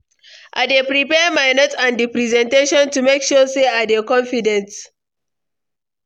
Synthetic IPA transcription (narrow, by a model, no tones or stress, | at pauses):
ʔa̰depɾipɛːmaɪnotãndipɾizɛ̃nteʃɔ̃ntumekʃuseːadekɔ̃nfɪdɛ̃nt